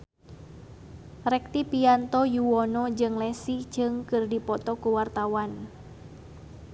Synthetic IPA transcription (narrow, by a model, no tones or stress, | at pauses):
rɛk̚t̪ipiant̪ɔjuwɔnɔd͡ʒɨŋlɛsid͡ʒɨŋkɨrdipɔt̪ɔkuwart̪awan